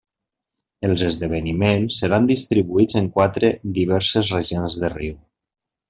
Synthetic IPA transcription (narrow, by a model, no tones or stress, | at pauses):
əlˠzəzðəβ̞ənimensːəɾand̪ist̪ɾiβuid͡zəŋkwat̪ɾed̪iβ̞ɛɾsəzreʒionzðəriw